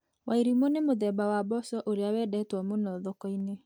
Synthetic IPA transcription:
wʔaiɾimonemoðɛbawabɔsɔʔoɾeawɛdɛtwɔmonɔðɔkɔine

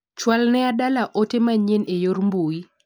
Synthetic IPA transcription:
t͡ʃwalnɛadalaʔotemaɲenejormbui

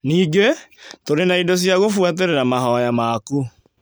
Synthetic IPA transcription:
niːɡetoɾenaidos̬jaɣofwat̬eɾeɾamaɦɔjamaku

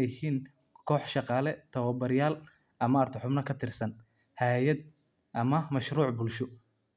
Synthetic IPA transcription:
jhiːn | kʰɔːħʃɑqɑːlɛt̪ʰɐwɐbɐɾɪjaːl | ʔɐmɐɐrt̪ʰɪħʊbnɐkʰɐt̪ʰɪrsɐn | hɛjɐd̪̚ | ʔɐmɐmɐʃɾuːʕbʊlʃʊ

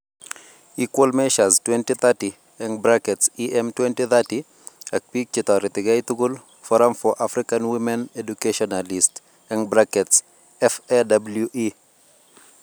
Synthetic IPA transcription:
ikwɔlmɛʃastwɛntiθati | ɛ̃nbɾakɛtsiʔɛmtwɛntiθati | ak̚pik̚t͡ʃɪtaɾitɪɡajtuɡul | fɔɾamfɔʔafɾikanwimɛ̃nedukeʃɔnalist | ɛnbɾakɛts | ɛfɛdabljuʔi

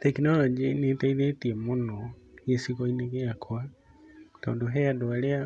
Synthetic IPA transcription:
t̪ɛknɔlɔd͡ʒinitaiðɛtiɛmunɔ | iɛsikɔinɛɡɛakʰɔa | kaudɔɦɛjadɔalɛa

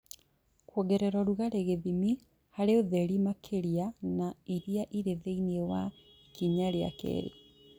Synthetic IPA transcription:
kwɔɡɛɾɛɾɔɾuɣaɾeɣeðimi | haɾeoðɛɾimakʰeɾianaiɾiaʔiɾeðeiniewa | kiɲaɾea̰kḛːɾḛ

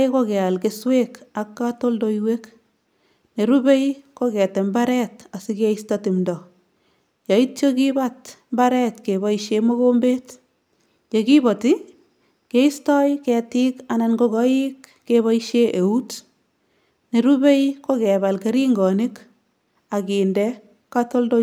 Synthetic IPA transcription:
kokɛalkeswekakːatoldoiwek | neɾubejkokɛtembaɾɛtasikeistɔtimdɔ | jɑit̚t͡ʃokibatmbaɾɛtkebɔiʃemoɡombet | kekibɔti | keistɔjkɛtɪkananɡokɔikːeβaiʃeʔeut | neɾubejkokɛbalkeɾiŋɡɔnɪk | akiːndɛ | katoldo

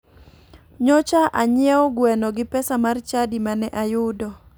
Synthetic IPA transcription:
ɲɔt͡ʃaʔaɲɪɛɔɡwɛnɔɡɪpɛsamart͡ʃadimanɛʔajʊdɔ

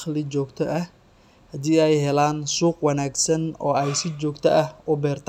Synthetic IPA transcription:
χlɪt͡ʃɔːɡt̪ʰɔʔɐh | hɐd̪iːɛjɦɛlaːnsuːqwɑnaːɡsɐnɔ̰ːɛjsɪt͡ʃɔːɡt̪ʰɐʔɐhʊbɛːrt̪ʰ

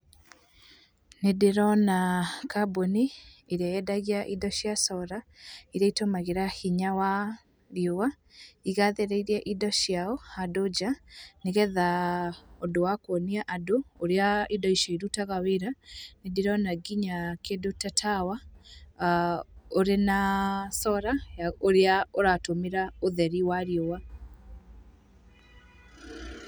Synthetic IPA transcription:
nedeɾɔnakaboniːɾiajɛdaɣiaʔidɔʃjasɔɾaiɾaitomaɣeɾahiɲawa | ɾjowa | iɣaðeɾeiɾɛʔidɔʃjaɔhadod͡ʑaneɣɛða | odowakwoniaʔadoːɾeaidɔiʃɔiɾutaɣaweɾanediɾɔnaɡiɲakedotatʰawa | oɾenasɔɾajaoɾeaoɾatomeɾaoðɛɾiwaɾjowa

